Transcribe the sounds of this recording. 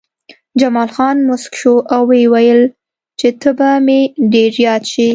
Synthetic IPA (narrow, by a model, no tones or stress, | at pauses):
d͡ʒamɑlxɑnmʊskʃoʔawewajəl | t͡ʃet̪əbameɖeɾzjɑt̪ʃi